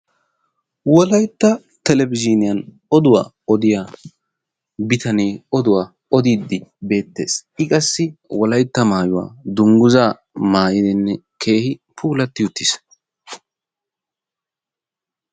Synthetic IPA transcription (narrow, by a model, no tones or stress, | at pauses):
wɔlɐjt̪ːɐ | t̪ɛlɛbɪd͡ʒɪnɪjɐn | ɔd̪ʊwa̰ː | ɔd̪ɪja | bɪt̪ɐneːɔd̪ʊwaː | ɔd̪iːd̪ːɪbe̞ːt̪ːe̞̰ːsɪkʼɐsːɪwɔlɐjt̪ːɐmaːjʊwa̰ːd̪ʊŋɡʊzaː | maːjɪd̪ɪnːɛ | kʰe̞ːhɪpʰuːlɐt̪ːɪjʊt̪ːɪs